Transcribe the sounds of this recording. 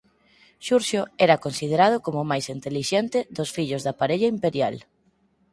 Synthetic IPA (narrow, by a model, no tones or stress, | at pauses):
ʃuɾʃoɛɾɐkonsið̞eɾað̞ʊkomʊmajsint̪eliʃɛnt̪ɪðosfiʎʊzðapaɾeʎaimpeɾjal